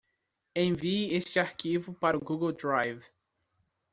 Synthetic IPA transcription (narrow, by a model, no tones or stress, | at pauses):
ẽj̃viest͡ʃɪaɾkivʊpaɾʊɡuɡowd̪ɾajv